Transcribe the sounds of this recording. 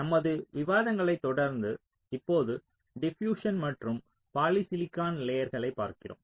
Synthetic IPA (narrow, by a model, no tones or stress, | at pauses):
nɐmːɐðɯʋɪʋaːðɐŋɡɐɭɐɪt̪ːɔɽɐɾnd̪ɯ | ɪpːoːðɯ | ɖɪfjuːʂɐnmɐʈrɯm | paːlisɪlɪkːaːnleːjɐɾɣɐɭɐɪpːa̰ːɾkɪro̰ːm